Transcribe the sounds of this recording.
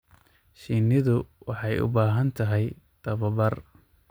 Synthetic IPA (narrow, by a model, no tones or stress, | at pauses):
ʃiːnɪðʊwɑħɑjʊ̰baːɦɐnt̪ʰɐɦɛj | d̪̥ɐβɐbɐr